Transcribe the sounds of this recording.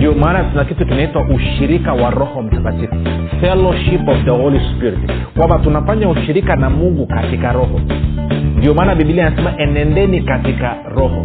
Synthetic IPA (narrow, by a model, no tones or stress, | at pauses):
ndiɔmaːnatunakitukinaitwaʔuʃiɾikawaɾɔhɔm̩sakativufɛlɔʃipɔvðəhɔlispiɾitkwambatunafaɲauʃiɾikanamuɡukatikaɾɔhɔ | ndiɔmaːnaɓiɓilianasɛmaʔɛnɛndɛnikatika | ɾɔhɔ̰